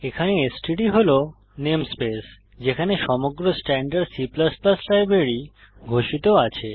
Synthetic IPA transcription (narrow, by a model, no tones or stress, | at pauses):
ekʰaneesʈiɖiɦolo | nemspes | d͡ʑekʰaneʃɔmoɡɾosʈɛɳɖaɾɖsiplasplaslajbɾeɾi | ɡʱoʃit̪oat͡ɕʰe